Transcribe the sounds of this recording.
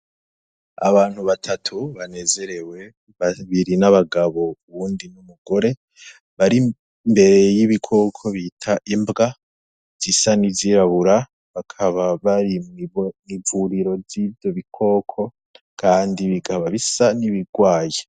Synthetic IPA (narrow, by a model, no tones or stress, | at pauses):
a̰βaːn̥huβatʰatʰuβane̞ze̞ɾe̞we̞ | βaβiɾinaβaɡaβo̞uβuːndinumuɡo̞ɾe̞ | βaɾi | mbe̞ɾe̞jiβikʰo̞kʰo̞βitʰaʔimbɡa | z̥isanivziːɾaβuɾa | βakʰaβaβaɾimmivuɾiɾo̞zivjo̞βikʰo̞ːkʰo̞ | kʰaːndiβiɡaβaβisaniβiɡwaːje